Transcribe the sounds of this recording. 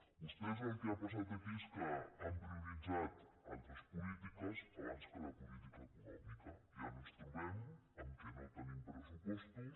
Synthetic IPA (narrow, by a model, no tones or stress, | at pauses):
d̪əspɾezakiapas̬at̪əkiskəampɾiuɾid͡ʒat̪ | a̰lˠt̪ɾəspulit̪ikəsəβanskəlapulit̪ikawkunɔmikə | iənest̪uβem | amt̪ənat̪ənempɾəsupɔst̪u